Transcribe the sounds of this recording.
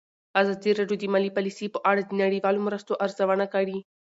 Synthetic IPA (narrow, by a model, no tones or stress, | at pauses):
azɑd̪iɾɑɖjod̪əmalipalisipəʔaɽad̪ənaɽiwɑlomɾəst̪oʔaɾzawanakaɽi